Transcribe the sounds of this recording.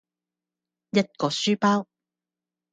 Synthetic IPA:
jɐ˥t̚kɔː˧syː˥paː˥w

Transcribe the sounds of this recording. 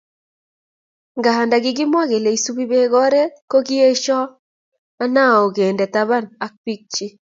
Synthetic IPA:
ŋɡa˨ha˨nda˨ɡɪ˦ɡɪ˦mwa˦ɡe˨le˨i˨su˦bi˦be˦ɡɔ˦ɾe˦ko˦ɡɪ˦e˦ʃɔ˦ | a˦na˦˨o˨ɡe˨ndɛ˨ta˦βa˦˨na˨k̚pi˦k̚t͡ʃi˦

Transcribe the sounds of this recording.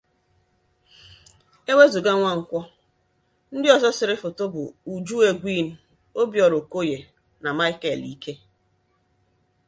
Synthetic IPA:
e˦we˦zu˨ɡa˦ŋʷa˦ŋ̩˨kʷɔ˦ | n̩˦dɪ˦ɔ˨zɔ˦sɪ˨ɾɪ˦fʊ˨to˦bʊ̰˨u˨d͡ʒu˦e˨ɡʷi˦˨n̩˨ | o˦bjɔ˨ɾo˨ko˦je˨ | na˨ma˦ɪ˦ke˨li˦ke˦

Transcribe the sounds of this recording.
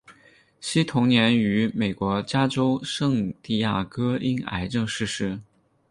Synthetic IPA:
ɕi˥t̪ʰʊ˧˥ŋnjɛ˧˥ny˧˥me˨˩ɪkwɔ˧˥t͡ɕja˥ʈ͡ʂo˥ʊʂɤ˥˧ŋt̪i˥˧ja˥˩kɤ˥i˥na̰˧˥ɪʈ͡ʂɤ˥˧ŋʂɻ̩˥˧ʂɻ̩˥˩

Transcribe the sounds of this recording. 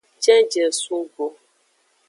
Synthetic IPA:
t͡ʃɛ˦n˦d͡ʒe˨su˦ɡo˦

